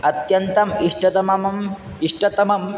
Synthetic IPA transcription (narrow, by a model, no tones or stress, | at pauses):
ɐt̪jɐnt̪ɐmiʂʈɐt̪ɐmɐmɐm | iʂʈɐt̪ɐmɐm